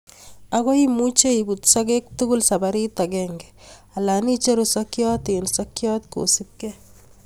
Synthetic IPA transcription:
aɣɔimut͡ʃeibutsɔkek̚tuɡulsabaɾit̪aɡɛːŋɡɛ | alanit͡ʃeɾusɔkjɔːt̪ensɔkjɔt̪ko̰sip̚kɛ

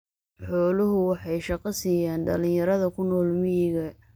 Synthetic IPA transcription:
ħɔːlʊɦʊwɑħɑjʃɑqɐsiːjaːnɖɐlɪ̃jɐɾɐðɐkʰʊnːɔːlmɪjɪɣɐ

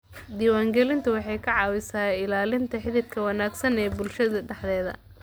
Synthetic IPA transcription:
d̪iːwaːŋɡɛlɪnt̪ʰʊwɑħɑjkʰɐʕɑːwɪsaːɪlaːlɪnt̪ʰɐħɪðɪt̚kʰɐwɑnaːɡsɐnɛːbʊlʃɐðɐɖɐħðɛːðɐ̰

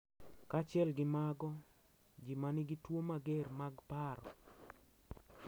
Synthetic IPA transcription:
kat͡ʃɪɛlɡɪmaɡɔ | d͡ʒimanɪɡɪtwomaɡermaɡpaɾɔ̰

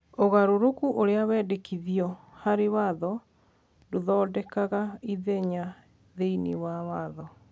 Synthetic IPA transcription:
oɣaɾoɾokuʔoɾeawɛːdekiðiɔ | haɾewaðɔ | doðɔːdɛkaɣaiðeɲa | ðeiniwawaðɔ

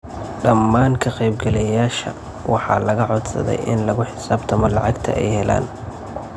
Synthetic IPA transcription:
ɖɐmːaːŋkʰɐqɛjb̚ɡɛlɛjaːʃɐ̰ | wʔɑħɑ̰ːlɐɣɐʕɔd̪sɐ̰ðɛ̰jʔɪ̰nlɐɣʊħɪ̥saːbt̪ʰɐmɔlɑʕɑɡt̪ʰɐ̰ʔɛ̰jhɛla̰ːn

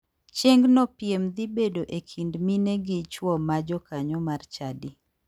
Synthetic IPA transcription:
t͡ʃeŋɡnɔpjemd̪ibedoʔekʰindmineɡit͡ʃwɔmad͡ʒɔkaɲɔmart͡ʃadi

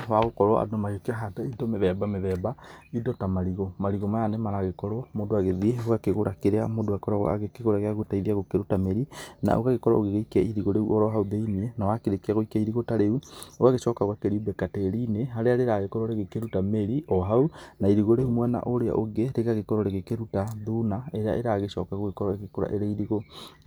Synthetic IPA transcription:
waɣokɔɾwɔʔa̰dɔmajokeaɦataidɔmeðɛbameðɛbaidɔtamaɾiɣɔmaɾiɣɔmajanemaɾaɣekɔɾwɔmodoaɣeðieoɣakeɣoɾakeɾeamodoakɔɾa̰a̰ɣekeɣoɾaɣeaɣotaiðiaɣokeɾutameɾina̰ʔo̰ɣaɣekɔɾa̰oɣeɣoikɛiɾiɣoɾeuʔɔɾɔɦauðeinienawakeɾekiaɣoikaiɾiɣotaɾeuoɣaɣeʃɔːkaɣakeɾiubɛkatɛɾineɦaɾeaɾeɾaɣekɔɾoɾeɣekeɾutameɾiɔɦaunaiɾiɣoɾeumwɛna̰ʔoɾea̰ʔoɣeɾeɣaɣekɔɾoɾeɣekeɾutaðunaeɾea̰ʔḛɾaɣeʃɔkaɣoɣekɔɾɔeɣekoɾa̰ʔeɾeiɾiɣo

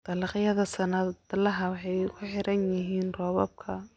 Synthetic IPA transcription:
t̪ɐlɑqjɐðɐsɐnɐd̪lɐɦɐwɑħɑjkʰʊħɪɾɐnjɪɦiːnrɔːβɔb̚kʰɐ

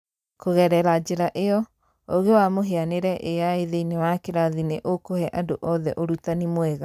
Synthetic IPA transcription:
koɣɛɾɛɾad͡ʒeɾaʔeɔ | oɣewamoɦeaneɾɛʔeaeðeinewakeɾaðineʔokohɛʔadoʔɔðɛʔoɾutanimwɛɣa

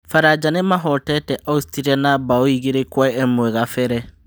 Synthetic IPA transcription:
faɾad͡ʒanemaɦɔtɛtɛʔaustiɾianabaoiɣeɾekwaeɛmoɛɣafɛɾɛ

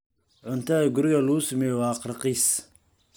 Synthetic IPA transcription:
ʕʊnt̪aɛɡʊɾɪɣɐlusmɛwɑːqɾqis

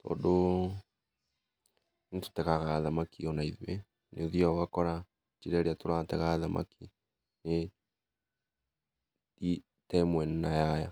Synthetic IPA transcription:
tɔ̰ːndo | neto̥tɛɣaɣaðamakiɔnaiðwe | neðiaɣakɔɾa | t͡ʃiɾɛɾeatoɾatɛɣaðamʔa̰ki | ne | i | tɛmwɛnunajaja

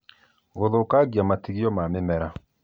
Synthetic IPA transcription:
ɣoðokaɡjamatiɣijɔmamɪmɛɾa

